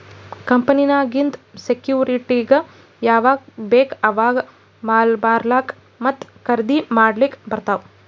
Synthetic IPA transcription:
kɐmpɐninaːɡind̪sekjuːɾiʈiɡɐ | jaːʋaːɡbeːkɐʋaːɡ | maːlbaːɾlaːk | mɐt̪ːkɐɾd̪imaːɖlikbɐɾt̪aːʋ

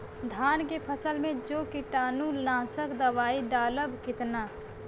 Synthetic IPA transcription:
d̪ʱaːnkepʰəsəlmẽd͡ʒoːkɪʈaːnũlãːsəkd̪əʋaːiɖaːləbkɪt̪naː

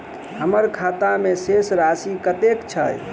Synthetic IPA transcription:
ɦəməɾkʰat̪amesesɾasikət̪ekt͡ʃʰəj

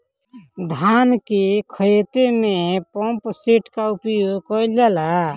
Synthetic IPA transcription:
d̪ʱankikʰət̪emẽpõmpsiʈkaʊpjokɔilela

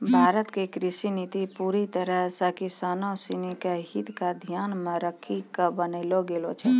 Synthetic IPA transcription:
bʱaːɾət̪kekɾɪsinit̪ipuːɾit̪əɾəɦsəkisaːnosinikaɦit̪kad̪ʱjaːnmẽɾəkʰikəbənəɪloɡeːlot͡ʃʰɛ

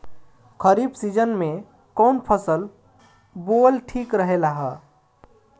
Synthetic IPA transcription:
kʰəɾiːbsid͡ʒənmẽ | kɔːnpʰəsəl | boːlʈʰiːkɾəɦelaɦɛ

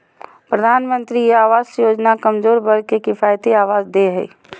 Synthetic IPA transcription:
pɾəd̪ʱaːnmə̃nt̪ɾijeaːʋaːzsjoːd͡ʒnakɐmzoːɾbɐɽkekɪfaːjt̪iaːʋaːzd̪eɦɛ̰ː

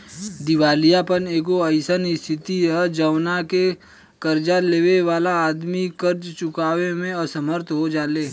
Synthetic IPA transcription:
d̪ɪʋaːlijapəneːɡoəɪsənɪst̪ʰɪt̪iəd͡ʒəʋnake | kəɾd͡ʒaleːʋeʋaːlaaːd̪mikəɾd͡ʒt͡ʃʊkaːʋemẽɔsəməɾt̪ʰɦod͡ʒaːleː

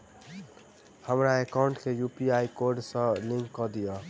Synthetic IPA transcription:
həmɾaekaʊɳʈkʰejupiajkoɾɖsʌ̃liŋkːʌd̪ijʌ

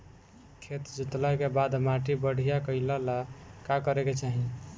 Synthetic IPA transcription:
kʰet̪d͡ʒit̪ləkebad̪maʈibəɽ̤ijakəɪləlakakəɾeket͡ʃaɦĩ

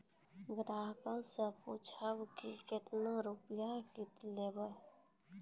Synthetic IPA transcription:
ɡɾaːɦkãseput͡ʃʰabkikɪt̪naɾupjakit̪lebə

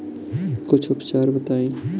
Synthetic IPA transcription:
kʊt͡ʃʰʊpt͡ʃaːɾbət̪aːĩː

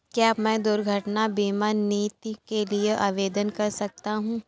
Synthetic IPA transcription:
kjaːmɛ̃ːd̪ʊɾɡʱəʈnabiːmaːniːt̪ikelieʔaːʋeːd̪ənkɐɾsɐk̚t̪aɦũː

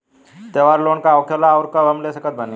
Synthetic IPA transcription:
t̪eʋaːɾloːɳkaɔkʰjelaɔɾkaʋəmlesəkət̪̚bənẽ

